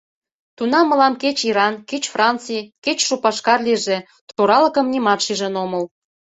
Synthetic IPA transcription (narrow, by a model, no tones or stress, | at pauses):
t̪unɑmːə̆lɑmket͡ɕiɾɑnket͡ɕfrɑnt͡sijket͡ɕʃopɑʃkɑrliʒe | t̪oɾɑlə̆kə̆mnʲimɑt̪ʃiʒə̆noməl